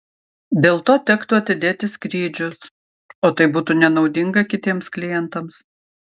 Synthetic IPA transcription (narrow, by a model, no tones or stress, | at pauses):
d̪ʲeːlˠt̪oːt̪ʲɛkt̪ʊɐt̪ʲɪd̪ʲeːt̪ʲɪskɾʲiːd͡ʒʲʊs | oːt̪ɐɪbuːt̪uːnʲɛnɒʊd̪ʲɪŋɡɐkʲɪt̪ʲiɛmsklʲɪjɛnt̪ɐms